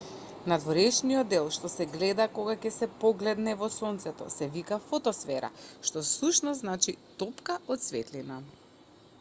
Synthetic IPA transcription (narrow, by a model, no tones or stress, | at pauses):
nad̪vɔɾɛʃniɔd̪ːɛlˠʃt̪ɔsɛɡlɛd̪akoɡacɛsɛpɔɡlɛd̪nɛvɔsɔnt̪sɛt̪ɔ̰sɛvikafɔt̪ɔsfɛɾa̰ʃt̪ɔsuʃnɔzznat͡ʃit̪ɔpkaɔt̪svɛ̰t̪lina